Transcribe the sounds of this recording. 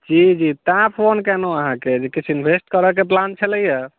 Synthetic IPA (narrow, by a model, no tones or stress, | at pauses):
d͡ʒid͡ʒit̪ãpʰonkɛnoəɦãked͡ʒekit͡ʃʰinbʱesʈkəɾəkeplant͡ʃʰəlɛjɛ